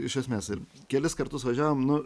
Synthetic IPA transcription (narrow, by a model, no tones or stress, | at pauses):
ɪʃʲɛsʲmʲeːsɪrkʲɛlʲɪskɐɾt̪ʊsʋɐʒʲæːʋoːmnʊ